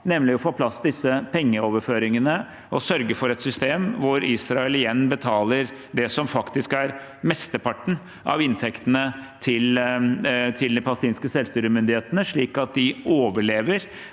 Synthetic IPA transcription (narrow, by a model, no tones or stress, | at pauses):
nɛmlɪɔfoːpʰlɑsːd̪ɪsːəpʰɛŋːəoːʋəɾføːɾɪŋənə | ɔsœɾɡəfɔɾɛt̪sʏst̪eːmʋʊɾisɾɑɛlɪjɛnːbət̪ʰɑːləɾ | d̪ɛsɔmfɑkt̪ɪskæɾ | mɛst̪əpʰɑʈːɳ̩ | ʔɑ̰ʋɪnt̪ʰɛkt̪ənət̪ʰɪl | t̪ʰɪld̪ɪpʰɑləst̪iːnskəsɛlst̪yːɾəmʏnd̪ɪheːt̪ənəʂɭiːkɑt̪̚d̪ɪoːʋəɭeːʋəɾ